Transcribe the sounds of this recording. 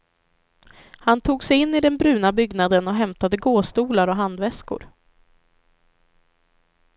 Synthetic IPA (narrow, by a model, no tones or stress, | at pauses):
hant̪ʰuːɡsɛjɪnːɪd̪ɛnbɾʉ̟ːnabʏɡnad̪ənɔɦɛmt̪ad̪əɡoːst̪uːlaɾɔɦand̪vɛskʊ̰ɾ